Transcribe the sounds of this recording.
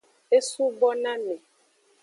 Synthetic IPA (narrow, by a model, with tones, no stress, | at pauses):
e˦su˦bɔ˦nã˦mẽ˨